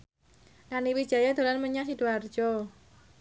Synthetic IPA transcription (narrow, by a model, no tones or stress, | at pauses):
naniwi̥ʒ̥a̤jad̪o̤lanməɲasid̥uard̥ʒ̥ɔ